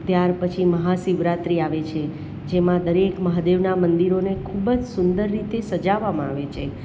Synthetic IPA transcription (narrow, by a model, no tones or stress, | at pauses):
t̪jaɾpət͡ʃʰiməɦasiʋɾat̪ɾiaʋet͡ʃʰe | d͡ʒemãd̪əɾekməɦad̪eʋnamənd̪iɾonekʰubd͡ʒsʊnd̪əɾːit̪esəd͡ʒaʋamãaʋet͡ʃʰe